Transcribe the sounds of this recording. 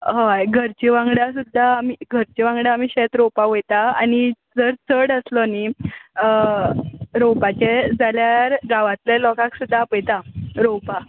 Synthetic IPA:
ɦajɡʱəɾt͡ɕiʋãŋɡɽasud̪ʱːaːmiɡʱəɾt͡ɕiʋãŋɡɽaːmiːɕet̪ɾopaʋojt̪aañid͡zəɾt͡səɽəslɔni | ɾowpat͡ɕed͡zaljaɾɡaʋãt̪lelɔkãksud̪ʱːapəjt̪aɾowpa

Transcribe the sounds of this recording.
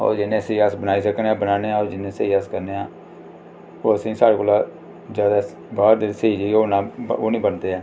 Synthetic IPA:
o̰ːɾd͡ʒɪnẽːseːəsbənaːiːsəkneãːbənaːneːãːoːɾd͡ʒɪnẽːsəiːaskəɾneːaː | oːəsĩːsaːɽeːkoːlaː | zjaːd̪aː | baːɾd̪eːsiːd͡ʒiːoːnãːoːnĩːbənd̪eːɛː

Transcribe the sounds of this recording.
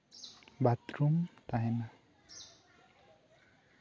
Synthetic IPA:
bat̪ɾumt̪aɦena

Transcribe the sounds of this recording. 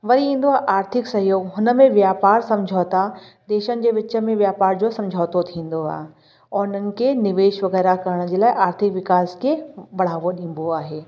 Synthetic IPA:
ʋɐɾiĩːn̆d̪oaːɦeʔaːɾt̪ʰɪksɐɦijoːɡɦʊnəmẽʋjaːpaːɾsɐ̃md͡ʑʱaːt̪a | d̪eːʃənɪ̆d͡ʑeːʋɪt͡ɕə̆mẽʋjaːpaːɾd͡ʑosɐ̃md͡ʑʱaːt̪ot̪ʰĩːn̆d̪oa̰ːɦ | ɔːɾʊnənɪ̆kenɪʋeːʃʋɐɣɛːɾakɐɾəɽ̃̆d͡ʑeːlaːʔaːɾt̪ʰɪkʋɪkaːskeʋɐɽ̤aːʋoɗĩːn̆boaːɦeː

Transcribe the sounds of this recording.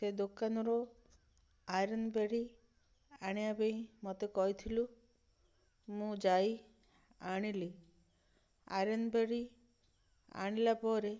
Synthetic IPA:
sed̪okanɔɾɔ | aɾɔnbeɽi | aɽ̃ijabeĩmɔt̪ekɔɦit̪ʰilu | mũd͡ʒaj | aɽ̃ili | a̰ɾɔnbeɾi | a̰ɽ̃ilapɔɾe

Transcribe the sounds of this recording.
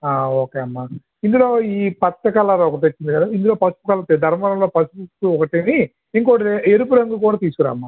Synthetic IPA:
aːoːkeːɐmːaː | ind̪uloːiːpɐt̪ːɐkɐlɐaɾɐɔkɐʈ̬eot͡ʃːind̪ikɐd̪aind̪uloːpɐsu̥pukɐlːɐt̪ed̪ʱɐɾmɐlɐmloːpɐsuputuɔkɐʈini | iŋkoʈeeɾupuɾɐŋɡukuːɽaːt̪iːsukɐɾa̰ːmːaː

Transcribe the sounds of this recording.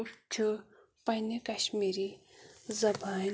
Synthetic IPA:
t͡ʃʰɨ | pɐnikɐɕmiɾizɐbʱaːn

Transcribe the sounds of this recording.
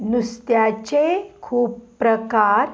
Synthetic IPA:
nust̪jat͡ɕekʰuːpːɾəkaɾ

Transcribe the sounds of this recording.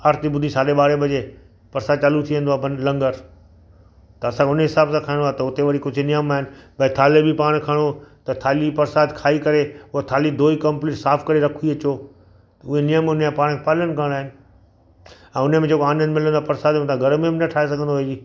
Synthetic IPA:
ɐɾt̪ibʊd̪ʱĩsaːɗeɓaːɾebʱɐd͡ʑe | pɐɾsaːd̪̚t͡ɕaːlut̪ʰiʋẽnd̪oabɐnlɐ̃ŋɡəɾ | t̪ɐɐsãːkʰʊnɦɪsaːbsãkʰaːɪ̃ɽdoaːet̪ɐʊt̪eʋɐɽikʊd͡ʑʱnijəmaːɦɪnɪɓɐ̃t̪ʰaːlebʱipaːɽ̃kʰɐɽ̃ot̪ɐt̪ʰaːlipɐɾsaːd̪kʰaːikɐɾeʊat̪ʰaːlid̪oːikɐmpliːʈsaːfʰkɐɾeɾɐkʰũiɐt͡ɕoː | t̪ɐʊɦenijəmʊnãpaːɽ̃kʰepaːlənkə̃ɽaːɪnɪ̆ | ɛ̃ːʊnəmẽd͡ʑeːkoaːnə̃nmɪlə̃nd̪apɐɾsaːd̪mẽt̪ʰaɡʱɐɾmẽbɪnɐʈʰaːes̬ɐɡʱə̃nd̪oɦeːiː

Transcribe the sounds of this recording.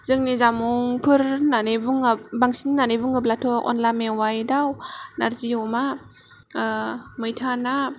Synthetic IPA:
z̥ɯŋnizamuŋpʰɯɾnanebuŋabaŋsinːanevɯŋablatʰɔk̚ɔ̰nlamewajdawnaɾziɔma | mɯjtʰana

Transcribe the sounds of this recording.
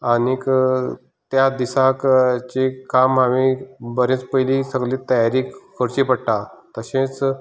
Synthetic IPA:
anik | t̪jad̪isakt͡ɕikamɦaʋibəɾẽt͡spəjlisəɡliːt̪əjaɾiːkʰəɾt͡ɕipəɽʈat̪əɕẽt͡s

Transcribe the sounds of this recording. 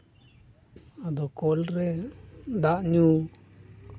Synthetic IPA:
ad̪okolɾend̪aʔɲũː

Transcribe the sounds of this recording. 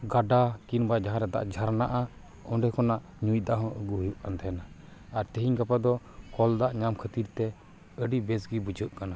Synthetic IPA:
ɡaɖakinbad͡ʒaɦaɾɛd̪a̰ʔd͡ʒʱaɾnaʔa | ɔɳɖɛkɔnaʔ | ɲuj̚d̪aʔɦɔ̃ʔəɡuɦujuʔant̪ʰɛna | aɾt̪əɦiɲkapad̪ɔ | kɔld̪aʔɲamkʰət̪iɾt̪ɛ | əɖibɛsɡibud͡ʒʱəʔkana

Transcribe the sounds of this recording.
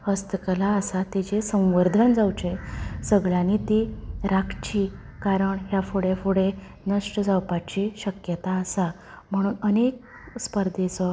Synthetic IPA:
həst̪kəlaəsat̪et͡ɕesə̃w̃ʋəɾd̪ʱənd͡zawt͡ɕesəɡɭjanit̪iɾakʰt͡ɕi | kaɾəɳɦjafoɽefoɽe | nəʂʈəd͡zawpat͡ɕiːɕəkjət̪aəsa | m̤əɽ̃uːnənek̚ | spəɾd̪ʱet͡sɔ

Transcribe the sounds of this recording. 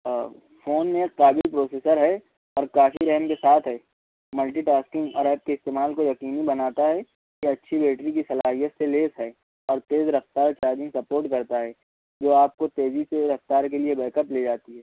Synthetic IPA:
foːnmẽqaːbɪlpɾoːseːsəɾɦɛ | ɔːɾkaːfiɾɛɦmkesaːt̪ʰɦɛː | mɐlʈiʈaːskɪ̃ŋɡɔ̰ːɾaːp̚keɪst̪eːmaːlkojɐqiːnibɐnaːt̪aɦɛ | kiɐtːʃʰibeːʈɾik̬isɐlaːɦijət̪seleːsɦɛː | ɔːɾt̪eːzɾɐft̪aːɾt͡ʃaːɾd͡ʒɪ̃ŋɡsɐpoːɾʈkɐɾt̪aɦɛ | d͡ʒoːaːp̚kot̪eːziseɾɐft̪aːɾkeliebɛːkəpleːd͡ʒaːt̪iɦɛː

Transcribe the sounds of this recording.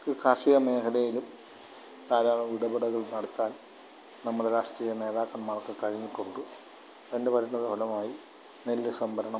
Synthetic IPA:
kɨkʰaːʂijɐme̞ːkʰɐlɐjilum | aːɾaːɭɐmʋiɽɐbiɽɐɣɐɭnɐɽɐt̪ːaːl | nɐmːɐɽeɾaːʂʈriːjɐne̞ːðaːkːɐɳmaːrkɨkɐɻiɲːiʈːuɳɖɨ | ɐndepɐɾunːɐðɨpʰolɐmaːji | nelːɨsɐmbʱɐɾɐɳɐ

